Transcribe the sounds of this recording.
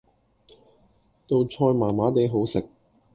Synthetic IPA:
t̪o˧wt͡sʰɔː˧jmaː˨˩maː˨˥t̪e˨˧jɦo˨˥wsɪ˨k̚

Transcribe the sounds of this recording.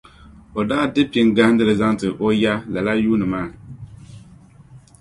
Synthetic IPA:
o˨daː˦dɨ˦pi˦ŋ˦ɡa˦n˦dɨ˦lɨ˨za˦ŋtɨ˨ʔo˦ja˦la˨la˦juː˦nɨ˨maː˦˨

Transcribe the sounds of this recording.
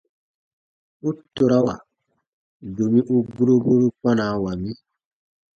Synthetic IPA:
u˦to˨ɾa˦wa̰˨ | do˨mĩ˦ʔu˦ɡu˦ɾo˦ɡo˦ɾo˦k͡pã˦naː˨˦wa˨mĩ˦

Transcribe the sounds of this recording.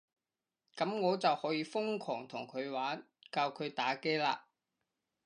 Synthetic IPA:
kɐ˨˥mŋɔː˨˧t͡sɐ˨whɔː˨˥jiː˨˧fʊ˥ŋkʰɔː˨˩ŋt̪ʰʊ˨˩ŋkʰɵ˨˧ɥwaː˨˥n | kaː˧wkʰɵ˨˧ɥt̪aː˨˥ke˥jlaː˧

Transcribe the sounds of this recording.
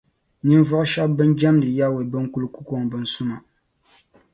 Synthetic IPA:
nɨ˦nvɔ˦ʔʃa˦bbɨ˦nd͡ʒa˦mdɨ˨ja˦we˨bɨ˦ŋ˦ku˦lku˦ko˦ŋbɨ˨n̩˨su˦ma˨

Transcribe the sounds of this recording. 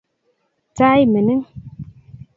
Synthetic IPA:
t͡sa˦jmə˨ni˦ŋ

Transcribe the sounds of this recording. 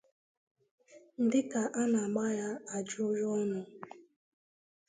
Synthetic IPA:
n̩˦dɪ˦ka˨ʔa˦na˨ɡ͡ba˦ja˦a˨d͡ʒʊ˦ɾʊ˦ɔ˦nʊ˨

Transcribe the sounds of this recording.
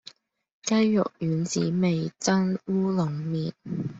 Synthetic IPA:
kɐ˥jːʊ̰˨k̚jyː˨˥nt͡sḭː˨˥me˨jt͡sɐ˥nwuː˥lʊ˨˩ŋmiː˨˩n̚

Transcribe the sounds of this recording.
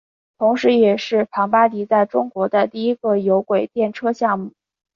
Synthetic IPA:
t̪ʰʊ˧˥ŋʂɻ̩˧˥jɛ˨˩ʂɻ̩˥˩pʰɑ˧˥ŋpa˥t̪i˧˥t͡sa˥˩ɪʈ͡ʂʊ˥ŋkwɔ˧˥d̪ə˧t̪i˥˩i˥ɡə˥˧jo˧˥ʊkwe˨˩ɪt̪jɛ˥˩nʈ͡ʂʰɤ˥ɕjɑ˥˧ŋmu˥˩

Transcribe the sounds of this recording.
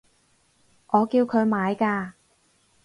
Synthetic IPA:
ʔɔː˨˧kiː˧wkʰɵ˨˧ɥmaː˨˧jkaː˧

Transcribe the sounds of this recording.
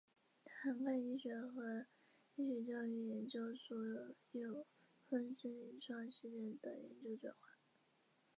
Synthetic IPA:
tʰa˧˥nka˥˧i˥˩ɕɥɛ˨˥nxɤ˧˥ | i˥ɕɥɛ˨˩t͡ɕjɑ˥˧ʊy˥˩jɛ˧˥nt͡ɕjo˥ʊswɔ˧˥jjo˨˩ʊ | fə˥nsə˥˩ni˨˥˩nʈ͡ʂʰɑ˥˩ŋɕi˥˧t͡ɕjɛ˥˩nd̪ə˨˩jɛ̰˧˥nt͡ɕjo˥ʊʈ͡ʂwɛ̰˨˩nxwa˥˩˦

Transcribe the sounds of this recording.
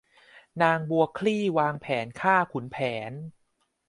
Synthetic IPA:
naː˧ŋbu˧ɐkʰliː˥˩waː˧ŋpʰɛː˩˦nkʰaː˥˩kʰu˩˦npʰɛː˩˦n

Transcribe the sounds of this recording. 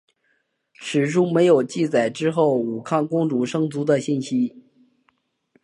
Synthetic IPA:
ʂɻ̩˨˩ʂu˥me˧˥ɪjo˨˩ʊt͡ɕi˥˩t͡sa˨˩ɪʈ͡ʂɻ̩˥xo˥˩ʊu˨˩kʰɑ˥˩nkʊ˥ŋʈ͡ʂu˧˥ʂɤ˥ŋt͡su˧˥d̪ə˧ɕi˥˩nɕi˥

